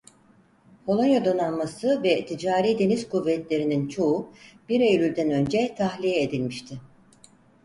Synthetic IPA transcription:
holˠanjad̪o̞nanmasɯvɛt̪ʰid͡ʒaːɾiːd̪e̞niz̥kuvːɛt̪lʲe̞ɾinint͡ʃʰo̞ub̥iɾe̞jlʲylʲd̪ænø̞nd͡ʒɛt̪ʰahlʲijɛed̪ilʲmiʃt̪ʰɪ

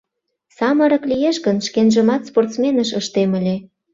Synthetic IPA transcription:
sɑmə̆ɾə̆klijeʃɣənʃkenʒə̆mɑt̪sport̪smenəʃəʃt̪emə̆lʲe

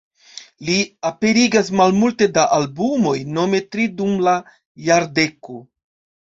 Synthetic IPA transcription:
liape̞ɾiɡas̬malmulte̞daʔalbumo̞jno̞me̞tɾidumla | jaɾde̞ko

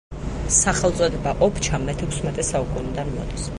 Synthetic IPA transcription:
saχɛlˠt̪sʼɔd̪ɛbaʔɔpʰt͡ʃʰamɛt̪ʰɛkʰsmɛt̪ʼɛsaukʼunid̪animɔ̰d̪̥is

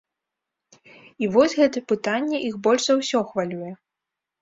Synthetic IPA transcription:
ivɔsʲɣɛt̪ɐpɨt̪anʲːɛʔixbɔlʲʂzɐwsʲɔxvalʲujɛ

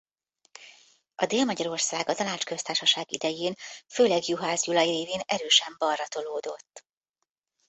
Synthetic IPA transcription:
ɒd̪eːlmɒɟɒɾo̞rsaːɡɒt̪ɒnaːt͡ʃkø̞st̪aːrʃɒʃaːɡḭd̪ɛjeːnføːlɛɡjuɦaːzjulɒjiɾeːveːnɛɾøːʃɛmbɒrːɒt̪o̞loːd̪o̞t̪ː

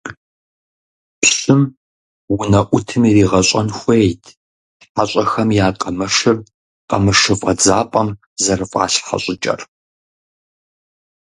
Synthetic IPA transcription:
pɕɨm | wʊnɐʔʷʊtʰɨmiriːʁɐɕʼɐnxʷejtʰ | ħaɕʼɐxɐmjaːqʼɐmɐʂɨr | qʼɐmɨʂɨfʼɐd͡zaːpʼɐm | zɐrɨfʼɑ̰ːɬħa̰ɕʼɪt͡ʃʼɐ̰r

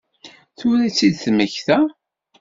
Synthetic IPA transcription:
θʊɾæt͡sːid̪θməçθæ

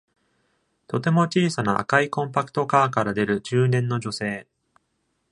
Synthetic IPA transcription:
t̪o̞t̪e̞mo̞t͡ɕiːsanaʔa̰kaikõ̞mpakɯ̥t̪o̞kaːkaɾad̪e̞ɾɯ̟d͡ʑɨːnẽ̞nːo̞d͡ʑo̞se̞ː

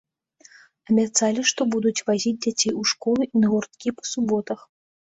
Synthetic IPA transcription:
ɐbʲat̪salʲiʂt̪ɔbud̪ut͡sʲvazʲid͡zʲd͡zʲat͡sʲejuʂkɔlˠuʔinɐɣurt̪kʲipɐ̥subɔt̪ɐx

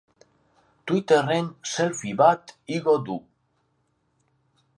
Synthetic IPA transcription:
t̪wit̪e̞re̞nse̞lfiβat̪iɣo̞d̪u

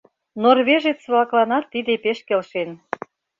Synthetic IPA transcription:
norβeʒet̪sβlɑklɑnɑt̪ːid̪epeʃkelʃen

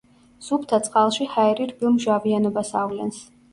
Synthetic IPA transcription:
z̥upʰt̪ʰat̪sʼqʼalˠʃihaɛɾiɾbilˠmʒavianɔbasavlɛ̰ns

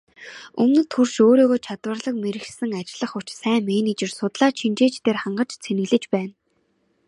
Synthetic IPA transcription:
ɵmnɘ̆t̪χurʃoːɾoːɣoːt͡ɕʰat̪wə̆rɮə̆k̚meɾɘ̆sɘ̆ŋat͡ɕɪɮə̆χʊ̥t͡ɕsæːmeːnit͡ɕɪ̆rsʊt̪ɮaːt͡ɕʰint͡ɕeːt͡ɕt̪ʰeːrχaɴɢə̆t͡ɕt͡sʰenɘ̆ɣɮɘ̆t͡ɕpæːn

